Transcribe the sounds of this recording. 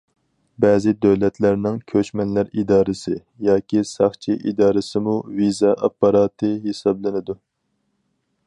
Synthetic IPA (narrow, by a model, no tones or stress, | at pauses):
bɛːzɪd̪øwlɛt̪ʰlæɾnɪŋkʲʰøt͡ʃmɛnlæɾid̪ɑːɾɨsɪ | jɑːkʲisɑχt͡ʃʰiʔid̪ɑːɾɨsɪmuvizɑʔɑpːɑɾɑːt̪ʰɨɦesɑblˠɨnɪd̪u